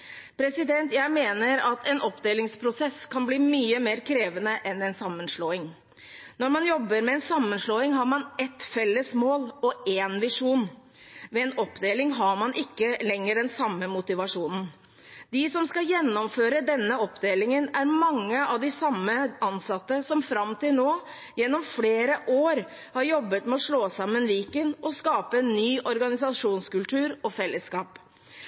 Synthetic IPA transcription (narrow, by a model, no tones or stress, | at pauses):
pʰɾɛsɪd̪ɛnt̪jæɪmeːnəɾɑt̪ʰɛnʔɔpd̪eːlɪŋspʰɾʊsɛskʰɑnbliːmyːəmeːɾkʰɾeːʋənəʔɛnɛnsɑmːənʂloːɪŋ | nɔɾmɑnjɔbːəɾmɛɛnsɑmːənʂloːɪŋɦɑɾmɑnɛt̪fɛlːəsmoːlɔeːnʋɪʂuːn | mɛɛnɔpːd̪eːlɪŋɦɑɾmɑnʔɪkːəlɛŋːəɖɛnsɑmːəmʊt̪ɪʋɑʂuːnn̩ | d̪ɪsɔmskɑjɛnːɔmføːɾəd̪ɛnːəɔpd̪eːlɪŋənæɾmɑŋːəɑʋd̪ɪsɑmːəɑnsɑt̪ːəsɔmfɾɑmt̪ɪlnoː | jɛnːɔmfleːɾəʔoːɾ | hɑɾjɔbːət̪mɛɔʂɭoːsɑmːənʋiːkənʔɔskɑːpəɛnːyːʔɔɾɡɑnɪsɑʂuːnskʉlt̪ʰʉːɾɔfɛlːəskɑːp